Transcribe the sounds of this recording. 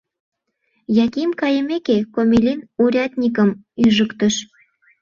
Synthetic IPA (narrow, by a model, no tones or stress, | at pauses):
jɑkimkɑjəmekekomʲelʲinuɾʲɑt̪ʲnʲik̬əm | yʒəkt̪əʃ